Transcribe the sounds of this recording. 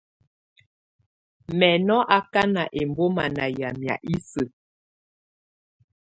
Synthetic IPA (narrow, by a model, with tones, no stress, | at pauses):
mɛ˨nɔ˦ʔa˦ka˦na˨ʔe˨mbo˦ma˨na˨ja˨mja̰˨ʔi˦sə˨